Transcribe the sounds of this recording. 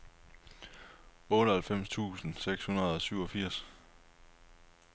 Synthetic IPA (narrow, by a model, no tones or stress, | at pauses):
ɔ̽ːɾəhælfem̰st͡sʰṵːsn̩seɡ̥shunɐð̞̩ˠɒ̽syʊ̰ɒ̽fiɐ̰s